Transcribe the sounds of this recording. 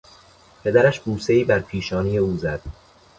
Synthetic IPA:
pʰe̞d̪æɾæʃbuːse̞iːbæɾpʰiːʃɒːnije̞uːzæd̪̥

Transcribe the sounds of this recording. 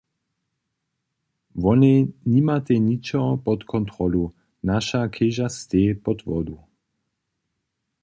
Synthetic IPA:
ʋɔnenimat̪ɛɲit͡ʃɔɔpɔt̪kʰɔnt̪ʁɔlu | naʃakʰeʒast̪epɔt̪ʋɔd̪u

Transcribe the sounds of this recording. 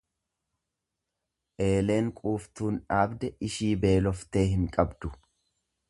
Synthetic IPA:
ʔe̞ːle̞ːŋkʼuːft̪uːnᶑaːbd̪ɛʔɪʃiːbe̞ːlɔft̪e̞ːɦɪŋkʼɐbd̪̥ʊ

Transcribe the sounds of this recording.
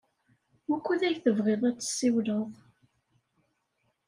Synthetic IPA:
ʊkʷːuðæjθəvʁeðˤæt͡sːə̥sːiwləðˤ

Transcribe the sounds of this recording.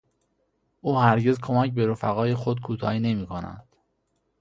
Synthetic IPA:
ʔuːhæɾɟe̞zkʰo̞mæcbe̞ɾofæɣɒːje̞xod̪̚kʰuːt̪ʰɒ̰ːiːne̞miːkʰonæ̰nd̪̥

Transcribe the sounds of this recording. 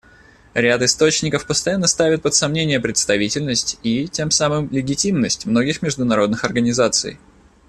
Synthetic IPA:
ɾʲat̪ɨst̪o̞t͡ɕnʲɪkəfpəst̪ɐjanːəst̪avʲɪt̪̚pət̪sɐmnʲenʲɪjəpɾʲɪt̪st̪ɐvʲitʲɪlʲnəsʲtʲitʲe̞msamɨmlʲɪɡʲɪtʲimnəsʲtʲmno̞ɡʲɪxmʲɪʐd̪ʊnɐɾo̞d̪nɨxɐrɡənʲɪzat̪sɨ̰j

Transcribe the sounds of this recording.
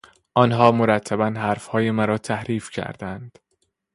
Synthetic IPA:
ʔɒnɦɒːmoɾæt̪ʰːæbænɦæɾfhɒːjemæɾɒːt̪ʰæhɾiːfcʰæ̰ɾd̪ænd̪̥

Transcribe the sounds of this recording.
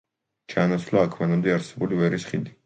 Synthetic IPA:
t͡ʃʰaːnat̪sʰvlaːkʰmanamd̪ɛaɾsɛbulivɛɾisχid̪i

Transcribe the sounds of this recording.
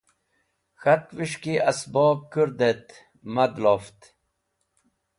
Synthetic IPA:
xɐt̪ʋiʂkiʔɐsboːb̚kuɾd̪et̪ | mɐd̪loːft̪

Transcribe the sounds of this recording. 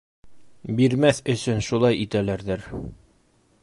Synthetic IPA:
biɾmæθɵ̆sɵnʃulˠɑjit̪ælæɾðɘɾ

